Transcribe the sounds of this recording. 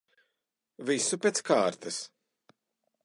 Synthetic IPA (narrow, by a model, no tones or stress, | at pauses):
visupʲet̪skaːɾt̪ɐs